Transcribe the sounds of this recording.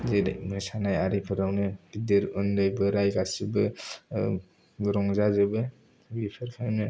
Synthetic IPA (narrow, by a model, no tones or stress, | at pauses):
zedmɯsanajaɾipʰɯɾawnɯbideɾɯndajbɯɾajɡasibɯ | ɡɾɔŋzazɯbɯ | bipʰɯɾpʰanɯ